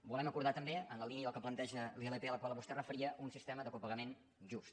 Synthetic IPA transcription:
bulɛməkuɾð̞at̪əmbeənləliniəðəlˠkəplənt̪ɛʒəlielepeələkwalˠβust̪ɛrəfəɾiəʔunsist̪ɛməðəkupəɣəmen | ʒust̪

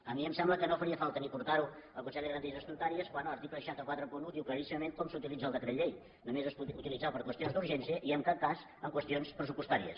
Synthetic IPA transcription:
əmiəmsɛmbləkənofəɾiəfalˠt̪ənipuɾt̪aɾuəlˠkut͡ʃɛləɣɾə̃nt̪izəst̪unt̪aɾiəskwanələɾt̪ipəʃat̪əkwat̪ɾəpunud̪iwkləɾisiməmenkɔmsut̪ilˠid͡zəːlˠd̪əkɾəʎej | numezəsuut̪ilid͡zapəɾkwəst̪ionzd̪uɾʒɛnsiəʔiəmkat̪̚kaz | əŋkwəst̪ionspɾəsupust̪aɾiə̰s

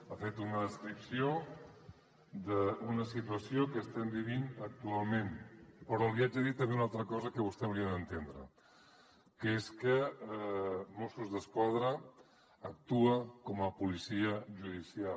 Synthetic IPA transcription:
afet̪unəðəst̪ɾipsio | d̪əunəsit̪uəsiokəst̪ɛmbiβinək̚t̪ualˠmẽnpəɾɔliad͡ʒəðit̪ːəmβbeunalˠt̪ɾəkɔzəkəβ̞ust̪ɛnɾiəd̪ənt̪end̪ɾə̰ | kəeskə | mosuzðəskwaðɾəː | k̚t̪uəkɔməpulisiəʒuðisia

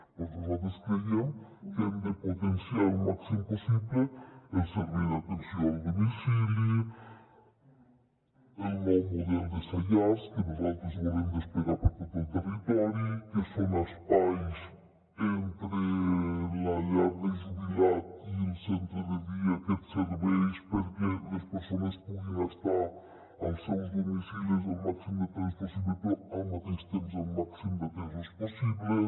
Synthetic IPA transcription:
oozaðeskɾeðjeŋkemd̪epot̪ensjalumaksimoposiβleelseɾβiɾðat̪ensjõald̪omisilo | enomoðeld̪esaʎaskenozalt̪ɾozβoðemd̪espeɣaɾpaɾt̪iɾðelt̪erit̪ɔɾjokesonaspajs | ent̪ɾelɐʎaɾðezuβilatielsent̪ɾoðeðiɐket̪seɾβejʃpeɾkelɐspeɾsonɐspuðeŋast̪aɾ | awsewzd̪omisiles̬awmaksimud̪et̪ejsposiβlepoawmaðest̪emʊzawmaksimud̪et̪ezasposiβle

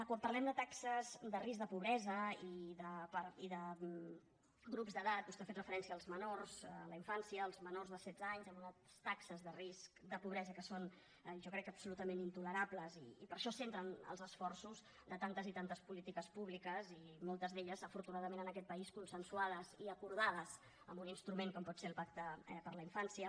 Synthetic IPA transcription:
əkwampərlɛmd̪ət̪aksəzðəris̬k̚d̪əpuβɾɛzəiðəpəɾiðə | ɡɾupzðəðat̪̚bust̪eafet̪rəfəɾɛnsiəːlˠzmənorzələiɱfansiəːlˠzmənorzðəsɛd̪d͡zaɲzɛmunat̪st̪aksəzðəriskd̪əpuβɾɛzəkəson | ʒɔkɾɛkːəpsulut̪əmẽnint̪uləɾapləziːpəɾʃɔsent̪ɾənə̰lˠzəsfɔrsuz | ðət̪ant̪əzit̪ant̪əspulit̪ikəspuβlikəzimɔlˠt̪əzðeʎəzəfuɾt̪unaðəmenənəkɛt̪̚pəiskunsənsuaðəziəkuɾð̞að̞əz | əmbuninst̪ɾumeŋkɔmpɔt̪selˠpakt̪əɛpəɾləiɱfansiə

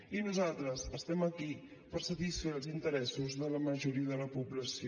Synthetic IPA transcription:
inuzalˠt̪ɾəzəst̪ɛməki | pəɾsət̪isfeɾəlˠzint̪əɾɛsuzðələməʒuɾiəðələpuβləsi

